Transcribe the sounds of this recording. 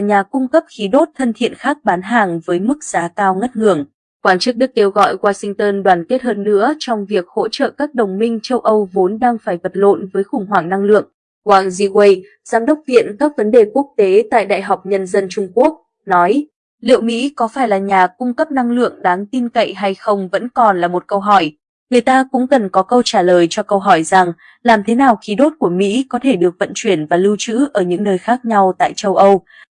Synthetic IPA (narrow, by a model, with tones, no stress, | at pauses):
ɲaː˨˩kʊ˧ŋ͡mkə˦˥p̚xi˨˦ɗo˦˥t̚t̪ʰə˧nt̪ʰḭ˧˨ənxaː˦˥k̚ɓaː˨˦nɦaː˨˩ŋvəː˨˦jmɨ˦˥k̚z̥aː˨˦kaː˧wŋə˦˥t̚ŋɨ˧˩əŋ | kwaː˧˩nt͡ɕɨ˦˥k̚ɗɨ˦˥k̚ːe˧wɣɔ̰˧˨jɣwaː˧sï˧ŋ̟t̪əː˧nɗwaː˧˩nke˦˥t̚həː˧nːɨ̰˧˥ət͡ɕɔ˧wŋ͡mvi˨˩ək̚ho̰˧˥t͡ɕə̰ː˧˨kaː˦˥k̚ɗə˨˩wŋ͡mmï˧ŋ̟t͡ɕə˧wʔə˧wvo˨˦nɗaː˧ŋfaː˧˩jvə˨˩t̚lo̰˧˨nvəː˨˦jxʊ˧˩ŋ͡mɦwaː˧˩ŋna˧ŋlɨ̰˧˨əŋ | kwaː˧˩ŋzi˧ɣwə˧j | zaː˧mɗə˦˥wk͡p̚vḭ˧˨ənkaː˦˥k̚və˨˦nɗe˨˩ku˦˥ək̚t̪e˨˦t̪a̰ː˧˨jɗa̰ː˧˨jɦa˨˩wk͡p̚ɲə˧nzə˧nt͡ɕʊ˧ŋ͡mku˦˥ək̚ | nɔ˨˦j | lḭ˧˨əwmḭ˧˥kɔ˨˦faː˧˩jlaː˨˩ɲaː˨˩kʊ˧ŋ͡mkə˦˥p̚na˧ŋlɨ̰˧˨əŋɗaː˨˦ŋt̪i˧nkə̰˧˨jɦa˧jxə˧wŋ͡mvə̰˧˥nkɔ˨˩nlaː˨˩mo˨˩t̚kə˧wɦɔ˧˩j | ŋɨ˨˩əjt̪aː˧kʊ̰˧˥ŋ͡mkə˨˩nkɔ˨˦kə˧wt͡ɕaː˧˩ləː˨˩jt͡ɕɔ˧kə˧wɦɔ˧˩jza˨˩ŋ | laː˨˩mt̪ʰe˨˦naː˨˩wxi˨˦ɗo˦˥t̚ku˧˩əmḭ˧˥kɔ˨˦t̪ʰe˧˩ɗɨ˨˩ək̚və̰˧˨nt͡ɕwi˧˩ənvaː˨˩lɨ˧wt͡ɕɨ̰˧˥ʔəː˧˩ɲɨ̰˧˥ŋnəː˧jxaː˦˥k̚ɲa˧wt̪a̰ː˧˨jt͡ɕə˧wʔə˧w